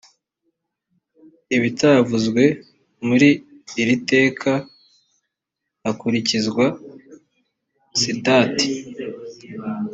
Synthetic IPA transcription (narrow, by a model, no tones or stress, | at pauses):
iβitavuzɡwe̞ | muɾiː | ɾite̞ːkʰa | akuɾicizɡwa | sitaːti̥